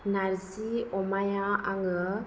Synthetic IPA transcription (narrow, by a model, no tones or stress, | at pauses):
naɾsiɔmajãaŋə